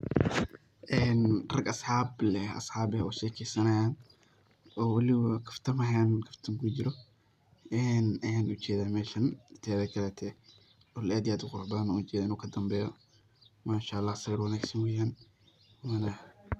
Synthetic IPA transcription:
ʔɛːnrɐɡɐsħɑːblɛɐ̰sħɑːbɛɔ̰ːʃɛːkʰɛjsɐnɐjaːn | ɔːwɐliwakʰɐft̪ʰɐmɐɦaːnkʰɐft̪ʰɐmkʰʊd͡ʒɪɾɔ | ɛːnaːnʊt͡ʃɛːðaːmɛːʃɐnt̪ʰɛːðɛkʰɐlɛːt̪ʰɛ | ɔlaːd̪ɪjaːd̪qʊrbaːnɔʊt͡ʃɛːɪnuːkʰɐd̪ɐmbɛːjɔ | maːʃaːɑlːɑːhsɐwɪɾwɐnaːɡsɐnwɛjaːn | wanɐ

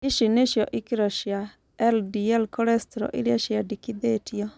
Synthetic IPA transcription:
iʃineʃijɔʔikiɾɔʃia | ɛldiɛlkʰɔɾɛst̪ɾɔ̰ʔiɾiaʃiadikid̪etʰijɔ

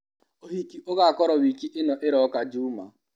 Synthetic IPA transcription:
oɦikiʔoɡaakɔɾɔwikiʔɪnɔʔɪɾɔkad͡ʒuːma̰

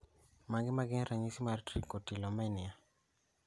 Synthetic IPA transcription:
maŋɡɪmaɡɪnɾaɲisimartɾikotilɔmɛnia

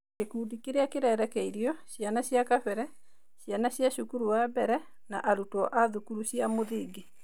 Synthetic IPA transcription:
kekuːdikeɾeakeɾɛɾɛkɛiɾiɔɕjanaɕjakafɛɾɛ | ɕjanaɕjaɕukuɾuwabɛɾɛ | naʔaɾutɔʔaðukuɾuɕjamoðiɡe

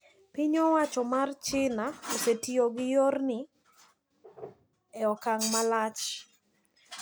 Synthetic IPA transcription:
pɪɲɔwat͡ʃɔmart͡ʃɪnaosetioɡɪjornɪ | ɛɔkaŋmalat͡ʃ

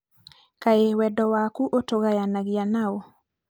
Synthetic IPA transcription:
kaewɛdɔwakuʔotoɣajanaɡɪjanao

